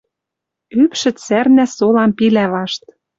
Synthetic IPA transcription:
ypʃɘ̆t͡særnæsolɑmpilæβɑʃt̪̚

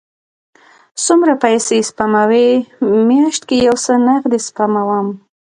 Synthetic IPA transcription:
sumɾapajsespamawemjaʃt̪kejawsənaxd̪espamawam

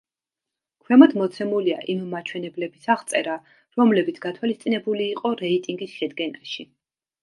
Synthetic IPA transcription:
kʰwɛmad̪mɔt̪sʰɛmulia̰ʔimmat͡ʃʰwɛnɛblɛbisaʁt̪sʼɛɾa | ɾɔmlɛbit̪sʰɡ̥at̪ʰwalist̪sʼinɛbuliːqʼɔɾɛit̪ʼiŋɡisʃɛd̪ɡɛnaʃi

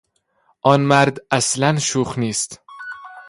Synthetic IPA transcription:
ʔɒnmæɾd̪æslænʃuːχniːst̪

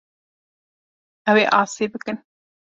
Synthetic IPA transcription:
ɐweːʔɑːseːbɨkɨn

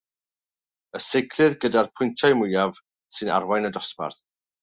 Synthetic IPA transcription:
əsejkʰlɨðɡədarpʰʊjntʰajmʊjav̥ | sɨna̰ɾwajnədɔspa̰rθ

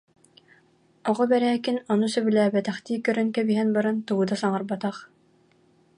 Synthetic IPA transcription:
ɔʁɔbɛɾæːkinɔnusœbylæːbɛt̪æχt̪iːkœɾœnkɛbiɦɛnbɑɾant̪uɡud̪asɑŋɑɾbɑt̪aχ

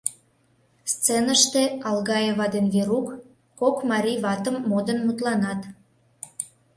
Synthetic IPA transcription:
st͡senəʃt̪eɑlɣɑjeβɑd̪enveɾukː | okmɑɾʲiβɑt̪əmːod̪ənmut̪lɑnɑt̪

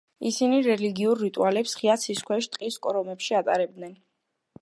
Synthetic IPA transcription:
isiniɾɛliɡiuɾːit̪ʼṵalɛpsχiat̪sʰiskʰwɛʃt̪ʼqʼiskʼɔɾɔmɛpʃiat̪ʼa̰ɾɛb̚d̪nɛn

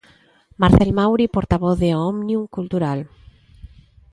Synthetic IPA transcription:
maɾθelmawɾipoɾt̪aβɔθðeɔmnjuŋkult̪uɾal

